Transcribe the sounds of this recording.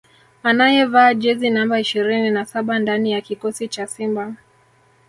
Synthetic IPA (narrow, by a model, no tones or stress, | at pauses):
anajɛvaːʄɛzinambaiʃiɾininasaɓandanijakikɔsit͡ʃasimba